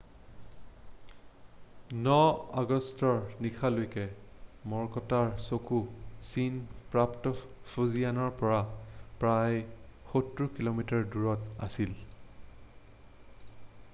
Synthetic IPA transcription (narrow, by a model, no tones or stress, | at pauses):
nɔaɡɔstɔɹnikʰalojkɛmɔɹkɔtaɹsokusinpɹaptɔ | fuzianɔɹpɔɹapɹajxotɹukilomitaɹduɹɔta̰sil